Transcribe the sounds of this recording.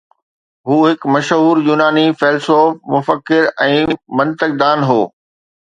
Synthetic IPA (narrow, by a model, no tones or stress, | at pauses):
ɦuːɦɪkmɐʃɦuːɾjuːnaːnifɛːlsoːfmʊfəkːɪɾɛ̃ːmɐ̃nt̪ək̚d̪aːnɦoː